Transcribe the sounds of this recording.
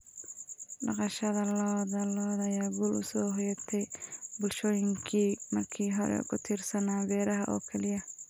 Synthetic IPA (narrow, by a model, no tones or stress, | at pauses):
ɖɑqɑʃɐðɐlɔːd̪ɐlɔːd̪ɐjaːɡuːlʊ̰sɔːɦɔjɐt̪ʰɛjbʊlʃɔːjɪŋkʰiːmɐrkʰiːɦɔɾɛ̰ṵkʰʊt̪ʰirsɐnaːbɛːɾɐɦɐʔɔ̰ːkʰɛlɪjɐ